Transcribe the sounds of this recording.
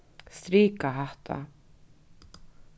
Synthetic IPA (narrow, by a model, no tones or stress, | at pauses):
st̪ɾiːkaɦaht̪ʰa̰